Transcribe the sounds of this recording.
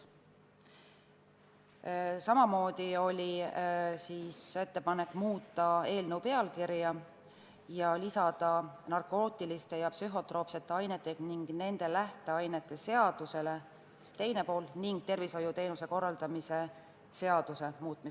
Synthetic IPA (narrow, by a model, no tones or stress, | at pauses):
sɑmɑmo̞ːd̪̥io̞lʲi | siːse̞t̪ːe̞pɑne̞kːˑmuːt̪ːˑɑe̞ːlnəwpe̞ɑlkiɾjɑ | jɑlisɑd̪̥ɑnɑrko̞ːt̪ːˑilist̪e̞jɑpsyɦo̞t̪ˑro̞ːpse̞t̪ːeɑjnet̪ːˑe̞ɡniŋɡ̥ne̞nd̪̥e̞læht̪e̞ɑjne̞t̪ˑːe̞se̞ɑd̪̥use̞le̞ | t̪e̞jne̞po̞ːlniŋɡ̥̚t̪e̞rviso̞jut̪e̞jnuse̞ko̞rːɑld̪̥ɑmise̞ | se̞ɑd̪̥use̞muːt̪mis